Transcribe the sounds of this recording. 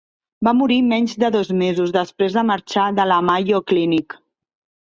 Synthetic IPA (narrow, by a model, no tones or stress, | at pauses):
bamuɾimɛɲzd̪əðɔzmezuzðəspɾezðəməɾt͡ʃaðələmajoklinik